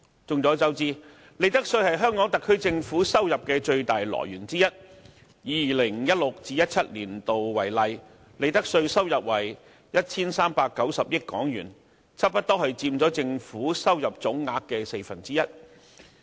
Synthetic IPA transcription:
t͡sʊ˧ŋt͡sɔː˨˥t͡sɐ˨˥wt͡siː˧ | le˨˧jt̪ɐ˥k̚sɵ˧ɥhɐ˨jɦœː˥ŋkɔː˨˥ŋt̪ɐ˨kʰːɵ˥ɥt͡sɪ˧ŋfuː˨˥sɐ˥wjɐ˨p̚kɛː˧t͡ʃɵ˧ɥt̪aː˨jlɔ̰ː˨˩jyː˨˩nt͡siː˥jɐ˥t̚ | jiː˨˧˨lɪ˨˩ŋjɐ˥t̚lʊ˨k̚t͡siː˧jɐ˥t̚t͡sʰɐ˥t̚liː˨˩nt̪o˨wwɐ˨˩jlɐ˨˧j | le˨˧jt̪ɐ˥k̚sɵ˧ɥsɐ˥wjɐ˨p̚wɐ˨˩j | jɐ˥t̚t͡sʰiː˥nsaː˥mpaː˧kːɐ˨˥wsɐ˨p̚jɪ˥t̚kːɔ̰ː˨˥ŋjyː˨˩n | t͡sʰɐ˥p̚pɐ˥t̪̚ɔː˥hɐ˨ɥt͡siː˧mt͡sɔː˨˥t͡sɪ˧ŋfuː˨˥sɐ˥wjɐ˨p̚t͡sʊ˨˥ŋŋaː˧kːɛː˧se˧jfɐ˨˩nt͡siː˥jɐ˥t̚

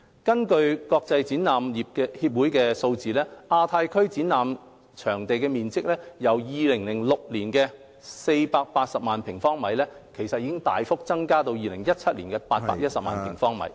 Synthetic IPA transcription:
kɐ˥nkɵ˧ɥkɔː˧k̚t͡sɐ˧jt͡siː˨˥naː˨mjiː˨p̚kɛ˧hiː˧p̚wuː˨˥jkɛː˧so˧wt͡siː˨lɛː˥ʔaː˧t̪ʰaː˧jkʰɵ˥ɥt͡siː˨˥nːaː˨m | t͡ʃʰœː˨˩ŋt̪e˨jkɛː˧miː˨˩nt͡sɪ˥k̚lɛː˥jɐ˨˩wjiː˨˧lɪ˨˩ŋlɪ˨˩ŋlʊ˨k̚liː˨˩nkɛː˧ | se˧jpaː˧k̚paː˧t̚sɐ˨p̚maː˨npʰɪ˨˩ŋfɔː˥ŋmɐ˨˥jlɛː˥ | kʰe˨˩jsɐ˨t̚jiː˧kɪ˥ŋt̪a̰ː˨jfʊ˥k̚t͡sɐ˥ŋkaː˥t̪o˧wjiː˨lɪ˨˩ŋjɐ˥t̚t͡sʰɐ˥t̚liː˨˩nkɛː˧paː˧t̚pa̰ː˧k̚jɐ˥t̚sɐ˨p̚ma̰ː˨npʰɪ˨˩ŋfɔː˥ŋmɐ̰˨˥j

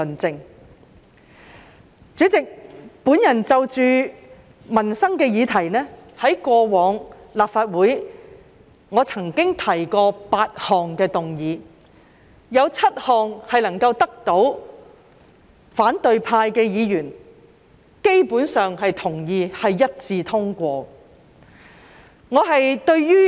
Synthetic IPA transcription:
nt͡sɪ˧ŋ | t͡syː˨˥t͡sɪ˨k̚puː˨˥njɐ˨˩nt͡sɐ˨˧wt͡ʃyː˨ | mɐ˨˩nsɐ˥ŋkɛː˧jiː˨˧t̪ʰɐ˨˩jnɛː˥hɐ˨˥jkʷɔː˧wɔː˨˧ŋlaː˨p̚faː˧t̚wuː˨˥j | ŋɔː˨˧t͡sʰɐ˨˩ŋkɪ˥ŋt̪ʰɐ˨˩jkɔː˧paː˧t̚hɔː˨ŋkɛː˧t̪ʊ˨ŋjiː˨˧ | jɐ˨˧wt͡sʰɐ˥t̚hɔː˨ŋhɐ˨jlɐ˨˩ŋkɐ˧wt̪ɐ˥k̚t̪o˨˥w | faː˨˥nt̪ɵ˨ɥpʰaː˧jkɛː˧jiː˨˧jyː˨˩n | ke˥jpuː˨˥nsœː˨ŋhɐ˨jt̪ʰʊ˨˩ŋjiː˨˧hɐ˨jːɐ˥t̚t͡siː˧t̪ʰʊ˥ŋkʷɔː˧ | ŋɔː˨˧ɦɐ˨jt̪ɵ˧ɥjyː˥

